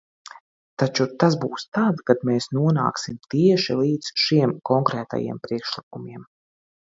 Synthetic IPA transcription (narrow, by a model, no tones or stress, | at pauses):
t̪at͡ʃut̪asbuːst̪aːd̪kad̪meːsnuɔna̰ːksimt̪iɛʃilˠiːd̪z̥ʃiɛmkɔŋkɾɛːt̪a̰jḭɛmpɾiɛkʃlˠik̚umʲiɛm